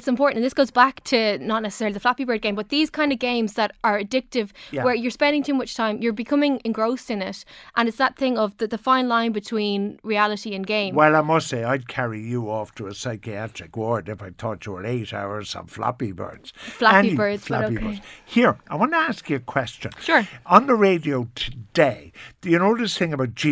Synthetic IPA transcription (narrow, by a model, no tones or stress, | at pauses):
ɪtsɪ̃mpʰɔɹʔn̩tə̃n̩ðɪsɡ̥oʊzbaktʰənətⁿnɛsə̥sɛɹəliðəflapibɜ˞d̚ɡẽɪ̃bʌt̪̚ðiz̥kʰãɪ̃ndəvɡẽɪ̃mzðəɾə˞ədɪk̚tɪvjwə˞jə˞spɛ̃ndɪ̃ŋtʰʉːmʌt͡ʃtʰãɪ̃mjə˞bɪkʰʌ̃mɪ̃ŋɪ̃nɡɹoʊstɪ̃nɪtʔə̃nɪtsðət̪̚θɪ̃ŋʌvðəðəfãɪ̃nlãɪ̃nbɪtʰw̥ĩnɹialˠəɾiə̃nɡẽɪ̃mwɛlˠaɪmʌstseɪaɪd̚kʰɛɹijəɔftʰəəsaɪkiat͡ʃɹ̥ɪkwɜ˞dɪfaɪ̥tʰɔt͡ʃəə̰ɾeɪɾa̰ʊə˞sʌ̰̃ɱfla̰pibɜ̰˞dz̥flaə̃ibɜ˞dz̥fla̰oiəz̥hiɹaɪwɑ̃ntəaskjəəkʰw̥ɛst͡ʃə̰̃nʃʊɹə̃nðəɹeɪdioʊtʰədeɪðɨnoʊɾəsθɪ̃ŋəbaʊt̚d̥ʒ̥i